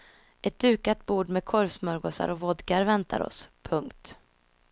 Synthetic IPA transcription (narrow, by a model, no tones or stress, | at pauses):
ʔɛt̪̚d̪̥ʉ̟ːkat̪̚buːɖmɛd̪̚kʰɔɾvsmœɾɡoːsa̰ɾɔvɔd̪kaɾvɛnt̪ʰa̰ɾɔ̰spʰɵŋkt̪